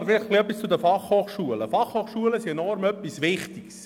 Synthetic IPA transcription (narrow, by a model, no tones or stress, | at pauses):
fɪləχɡ̥liœpːist͡sʊd̪əfɑχhoːχʃuələfɑχhoːχʃuələsiɛnɔɾmœpːisʋɪχt̪iks